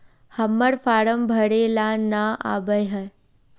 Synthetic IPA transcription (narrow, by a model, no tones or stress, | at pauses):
həmːəɽfaːɽəmbʱəɽeːlanaʔa̰ːbəjɦə